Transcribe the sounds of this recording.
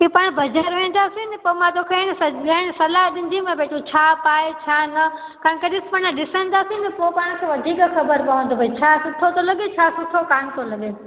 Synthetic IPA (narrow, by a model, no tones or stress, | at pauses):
ipaːɽ̃bʱɐd͡ʒəɾʋẽːn̆d̪aːsinɪpoːmãt̪oːkʰeñsɐɡaɽ̃sɐlaɦɗɪ̃nd̪ĩmẽbeːʈʰot͡ɕʰaːpaːet͡ɕʰaːnɐ | kãkeɗɪsmənãɗɪsə̃n̆d̪aːsĩnɛpopaːɽ̃kʰeʋɐd̪ʱiːkxɐbəɾpɐʋə̃n̆d̪obʱɐit͡ɕʰaːsʊʈʰot̪olɐɠet͡ɕʰaːsʊʈʰokaːnt̪olɐɠe